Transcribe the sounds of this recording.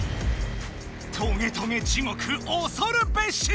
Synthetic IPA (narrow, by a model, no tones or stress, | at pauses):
t̪ʰoŋet̪ʰoŋet͡ɕimokʰɯʔosoɾɯpeɕi